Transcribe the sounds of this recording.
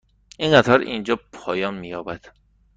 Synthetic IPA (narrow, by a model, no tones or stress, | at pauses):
ʔiŋɢæt̪ʰɒɾind͡ʒɒːpʰɒːjɒːnmijɒːbæd̪̥